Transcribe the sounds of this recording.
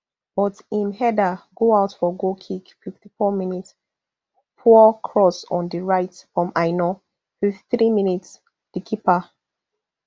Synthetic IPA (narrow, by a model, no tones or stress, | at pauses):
b̥ɔtĩmhɛdaɡoaʊtfɔɡokʰikfiftifɔminits | pʰukʰɹɔsɔ̃ndiɹajtfɹɔ̃maɪnɔ | fiftθɹimĩnits | d̥ikʰipa